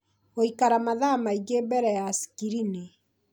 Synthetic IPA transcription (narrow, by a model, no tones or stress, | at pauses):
oikaɾamaðamaiɡebɛɾɛjasi̥kiɾine